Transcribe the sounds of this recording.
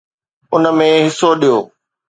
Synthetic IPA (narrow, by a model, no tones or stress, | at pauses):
ʊnə̆mẽɦɪsoɗijoː